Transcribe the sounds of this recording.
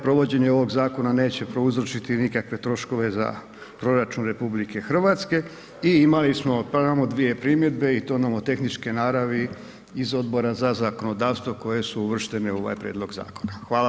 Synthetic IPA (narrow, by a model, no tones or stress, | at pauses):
pɾo̞ʋo̞d͡ʑe̞ɲeo̞ʋo̞ɡzaːko̞nane̞ːt͡ɕe̞pɾo̞uzɾot͡ʃit̪inikakʋe̞t̪ɾo̞ʃko̞ʋe̞za̰ | pɾo̞ɾat͡ʃunɾe̞publike̞xr̩ʋat̪ske̞ | iimalismo̞pamod̪ʋije̞pɾimje̞d̪be̞it̪onamot̪e̞xnit͡ʃkinaːɾaʋi | izo̞d̪bo̞ɾazazako̞no̞d̪aːʋst̪ʋo̞ko̞je̞suuʋr̩ʃt̪e̞neuo̞ʋa̰jpɾeːd̪lo̞ɡza̰ːko̞naxʋaːla